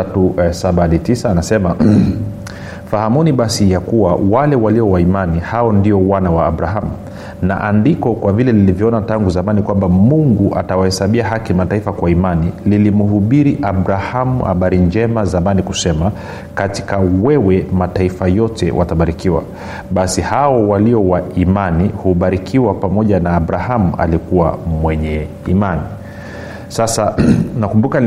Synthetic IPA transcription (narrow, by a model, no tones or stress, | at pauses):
atusaɓanitisaːnasɛma | fahamuniɓasijakuwawalɛwaliɔwaimanihaɔndiɔwanawaːɓɾaɦamu | na̰ʔandikɔkwavilɛnilivjɔɔnataŋɡuzamanikwambamuŋɡuʔa̰tawahɛsaɓiaɦakimataifakwaimanililimuɦuɓiɾiʔabɾahamuha̰ɓaɾind͡ʒɛmazamanikusɛma | kati̥kawɛwɛmataifajɔtɛ̰wʔa̰taɓaɾikiwa̰ | ɓasihaɔwaliɔwaimanihuɓaɾikʰiwapamɔʄanaːɓɾahamua̰likuwa̰mwɛɲɛ | imani | sasanakumbuka